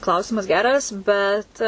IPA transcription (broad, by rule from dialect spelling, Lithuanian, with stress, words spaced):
ˈklˠɐʊsʲɪmɐs ˈɡʲæːrɐs bʲɛt